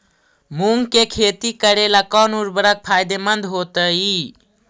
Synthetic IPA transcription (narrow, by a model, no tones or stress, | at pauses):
muŋɡkekʰet̪ikəɾelakɔnuɾbəɾək̚pʰajd̪emənd̪ɦot̪əi